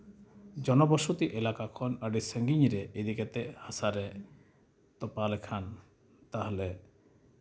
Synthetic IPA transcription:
d͡ʒɔnɔbɔʃot̪iʔelakakʰɔnaɾisɛŋɡiɲɾeʔed̪iket̪ɛhasaɾɛ | t̪ɔpalɛkʰan | t̪aɦɔle

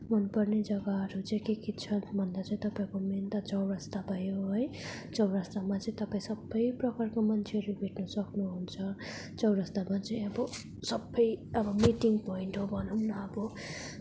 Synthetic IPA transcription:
mʌnpʌrned͡zʌɡaɦʌɾut͡sʌĩkekit̪t͡sʰʌnbʱʌnd̪at͡saĩt̪ʌpaĩkoment̪at͡sʌwɾʌst̪abʱajoɦʌj | t͡sʌwɾast̪amat͡sʌĩt̪ʌpaĩsʌbːʌjprʌkarkomʌnt͡sʰeʌɾubʱeʈnʌsʌknuɦunt͡sʰʌ | t͡sʌwɾʌst̪amat͡sʌĩʌbʌ | sʌbʌjʌbʌmiʈiŋɡpoiɳʈɦobʱʌnʌwnʌʌbʌ

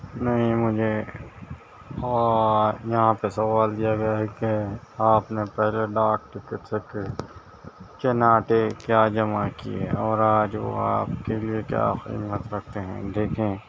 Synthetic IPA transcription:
nɐɦĩmʊd͡ʒʱe | ɔːjɐɦãpesɐʋaːld̪ijaɡɐjaɦɛkeaːpnepɛɦleɖaːk̚ʈɪkɪʈseke | t͡ʃɐnaːʈekjaːd͡ʒɐmakiḛɔːɾaːd͡ʒʋo̰a̰ːpkeliekja̰ːxɪ̰mːət̪ɾɐk̚ʰt̪eɦɛ̰̃d̪eːkʰẽː

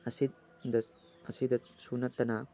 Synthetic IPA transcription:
ɐsid̪̚ | d̪ɐs | ɐsid̪ɐt̪sunɐt̪ːɐna

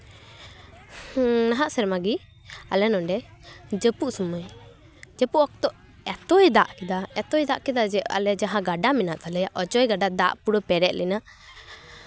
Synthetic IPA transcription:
naɦaʔsɛɾmaɡi | a̰lɛnɔɳɖɛd͡ʒəpuʔsuməj | d͡ʒəpuʔɔk̚t̪ɔʔ | ɛt̪ɔjd̪aʔkɛd̪aɛt̪ɔjd̪aʔkɛd̪ad͡ʒɛa̰lɛd͡ʒaɦãɡaɖaminaʔt̪alɛjaʔɔt͡ʃɔjɡaɖad̪a̰ʔpuɽɔpɛɾɛt̪̚lina

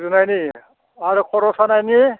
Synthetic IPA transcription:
zunajni | aɾɯkʰɔɾɔsanajni

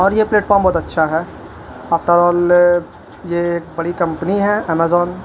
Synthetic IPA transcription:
ɔːɾjepleːʈfɔːɾmbɔːt̪ɐtːʃʰaɦɛː | aːfʈəɾɔːl | jeːk̚bɐɽikɐ̃mpniɦɛɛmezɔːn

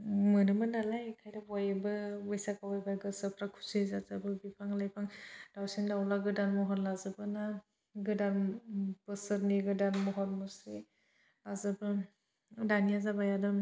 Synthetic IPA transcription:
mɯnɯmɯnalajkʰajdabajbɯwesakawajbaɡɯsɯpʰɾakʰu̥sizazabɯbipʰaŋlajpʰaŋd̥awsendawlaɡɯdanmɔɦɔnlazɯbɯna | ɡɯdanbɯsɯɾneɡɯdanmɔɦɔnmɯsɾe | azabɯ | danijazabajadɯm

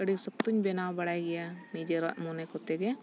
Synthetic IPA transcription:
kəɽisək̚t̪uɲbɛnawbaɽajɡɛjanid͡ʒɛɾa̰ʔmɔnɛkɔt̪ɛɡɛ

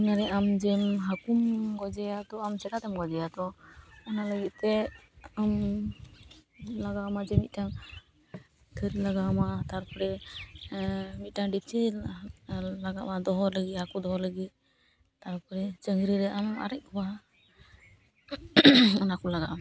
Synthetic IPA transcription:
inaɾɛʔamd͡ʒɛmɦakumɡɔd͡ʒɛat̪ɔamt͡ʃɛkat̪ɛmɡɔd͡ʒɛjat̪ɔɔnaləɡit̪̚t̪ɛam | laɡamad͡ʒɛmit̪̚taŋ | t̪ʰəɾilaɡamat̪aɾpɔɾɛ | mit̪̚taŋɖip̚t͡ʃʰi | laɡaʔmad̪ɔɦɔləɡit̪̚hakud̪ɔɦɔɾləɡit̪̚ | t̪aɾpɔɾɛt͡ʃəŋɡɾiɾɛama̰ɾɛʔ̚kʰɔba | ɔnakɔlaɡaʔm

